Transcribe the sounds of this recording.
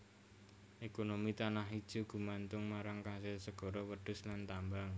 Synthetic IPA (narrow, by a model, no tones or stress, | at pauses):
ʔekonomit̪anaɦid̥ʒ̥ṳɡ̥ṳmant̪ʊŋmaɾaŋkasɪlsəɡ̥ɔ̤ɾɔwəɖ̥ʊ̤slant̪ambaŋ